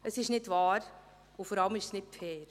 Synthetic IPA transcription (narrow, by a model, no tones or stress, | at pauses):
əsɪʃnɪdvɑːɾ | ʊfɔɾɑləmɪʃsnɪt̚pfɛːɾ